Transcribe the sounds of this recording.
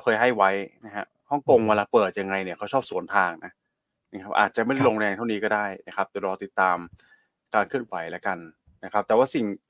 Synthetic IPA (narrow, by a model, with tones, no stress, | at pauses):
kʰɤː˧jɦa˥˩jwa˦˥jna˦˥kʰa˦˥ʔhɔ˥˩ŋko˧ŋweː˧laː˧pɤː˨˩t̪̚ja˧ŋːa˧jni˥˩ɐkʰa˦˥wt͡ɕʰɔː˥˩p̚su˨˩˦nt̪ʰaː˧ŋna˦˥ | na˦˥kʰa˦˥p̚ʔa̰ː˨˩t̪̚t͡ɕa˨˩ma˥˩da˥˩jloː˧ŋɾɛː˧ŋt̪ʰa˥˩niː˦˥kɔː˥˩daː˥˩jna˦˥kʰa˦˥p̚dɾɔː˧t̪i˨˩t̪ːaː˧m | kaː˧nkʰɯ˥˩ənwa˩˦jlɛ˦˥ka˧n | na˦˥kʰa˦˥p̚t̪ɛː˨˩waː˥˩si˨˩ŋ